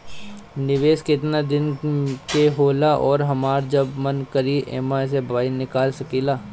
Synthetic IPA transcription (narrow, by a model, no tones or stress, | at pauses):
nɪʋeːskɪt̪nad̪ɪnkeɦoːlaʔɔːɾɦɐmaːɾd͡ʒɐbmɐnkɐɾiʔḛːmas̬ebaːinɪkaːlsɐkiːlaː